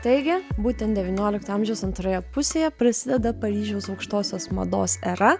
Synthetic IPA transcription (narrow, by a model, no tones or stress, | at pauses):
t̪ɐɪɡʲɪbuːt̪ʲɛnt̪d̪ʲɛʋʲɪnʲoːlʲɪkt̪ɐɑmʲʒʲɛʊsɐnt̪ɾojɛpʊsʲeːjɛpɾɐsʲɪd̪ʲɛd̪ɐpɐɾʲiːʒʲɛʊsɒʊkʃt̪oːsʲoːsmɐ̰d̪o̰ːsɛɾɐ